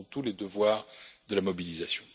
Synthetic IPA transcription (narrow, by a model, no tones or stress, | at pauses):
ɔ̃t̪uled̪əvwaːʁd̪əlamɔbilizasjɔ̃